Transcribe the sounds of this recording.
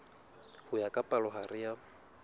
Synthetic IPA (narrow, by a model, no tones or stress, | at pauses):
hʊjakʼapʼalɔɦarɪja